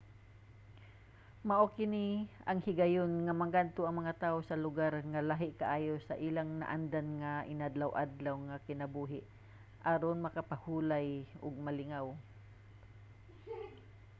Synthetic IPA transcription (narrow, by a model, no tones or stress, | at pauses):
maʔokɪniɐŋhɪɡajonŋamɐɡant̪oɐŋmɐŋat̪aːosɐlʊɡaɾŋalaɦɪʔkaʔaːjosɐʔiːlaŋna̰ʔand̪anŋaʔɪnad̪lawʔad̪lawŋakɪnɐbuːɦɪʔ | ʔaɾonmɐkapahuːlajʊɡ̚mɐlɪŋaw